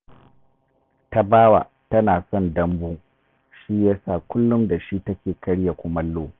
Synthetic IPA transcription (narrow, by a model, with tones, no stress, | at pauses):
ta˦baː˦wa̰˨ | tɐ˦naː˨sɔ˦˨ndɐ˦mbuː˦ | ʃiː˦jaː˦sa˦˨kʷʊ˦lːʊ˦mda˨ʃi˦tɐ˦kʲeː˨kɐ˦ɽja˨kʷʊ˦mɐ˦lːoː˦